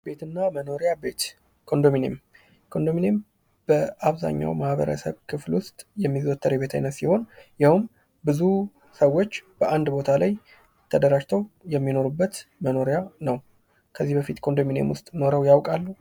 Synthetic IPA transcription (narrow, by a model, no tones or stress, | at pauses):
be̞t̪ʰɨnːaməno̞ɾejabe̞t̪ | kʰo̞nd̪o̞minḛm | kʰo̞nd̪omine̞m | b̥əʔaβza̰ɲːa̰wmahbə̰ɾə̰sə̰βkʰɨflwʊst̪ʼjɛmːizot̪ʰːəɾeβe̞t̪ʰa̰jnət̪siho̞njɪhum | bɨzu | səwːo̞t͡ʃːb̥əʔand̪bo̞t̪ʰalaj | t̪ʰəd̪əɾaʒt̪ʰəwjɛmːino̞ɾubːət̪məno̞ɾejanəw | kʰəzːihbəfit̪kʰo̞nd̪o̞minḛmwʊst̪ʼno̞ɾəwjawkʼalːu